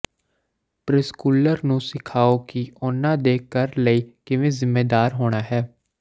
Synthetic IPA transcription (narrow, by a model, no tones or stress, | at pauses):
pɾɪskuːləɾnũːsɪkʰaːokiʊnːãːd̪eːkːəɾləiːkɪʋẽːzɪmːeːd̪aːɾɦoːɽ̃aːɦɛː